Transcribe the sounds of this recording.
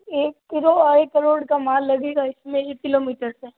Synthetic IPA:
eːkːɪɾoɐɾekɐɾoːɽkamaːlːɐɡeːɡaɪsmẽekkɪloːmiːʈəɾseː

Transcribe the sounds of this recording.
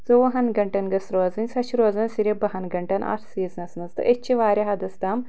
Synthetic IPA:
t͡soʋɐɦɐnɡɐɳʈɐnɡɐsɾoːzɐnʲsɐʃʰɾoːzɐnʲsiɾʲebɐɦɐnɡɐɳʈɐna̰ːɾsiːznɐsnɐst̪ɨ̰ʔet͡ʃʰiʋaːɾʲɐɦɐd̪ɐst̪aːm

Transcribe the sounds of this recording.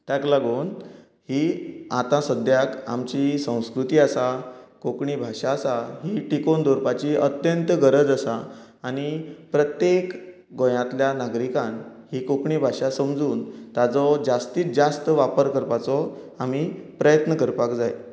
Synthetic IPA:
t̪jaklaɡuːn | hiːat̪ãsəd̪ʱjaka̰mt͡ɕisə̃w̃skɾut̪iːasakokɳiːbʱaʂaːsaɦiʈikond̪ʱoɾpat͡ɕiʔət̪jənt̪ɡəɾəd͡zəsaː | ɽ̃ipɾət̪jek | ɡojãt̪ljanaɡɾikãnhiːkokɳiːbʱaʂasəmd͡zuːnt̪ad͡zɔd͡zast̪iːt͡sd͡zast̪əʋapəɾkəɾpat͡sɔ | amiːpɾəjət̪nəkəɾpakd͡zaj

